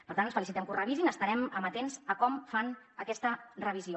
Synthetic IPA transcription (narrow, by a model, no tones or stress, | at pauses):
ppəɾt̪anənsfəlisit̪ɛmkurəβizinəst̪əɾɛməmət̪enzəkɔmfanəkɛst̪ərəβ̞izio